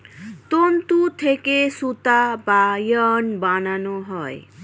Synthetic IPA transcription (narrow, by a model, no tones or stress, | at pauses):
t̪ont̪ut̪ʰekesut̪abajʌnbananuɦɔj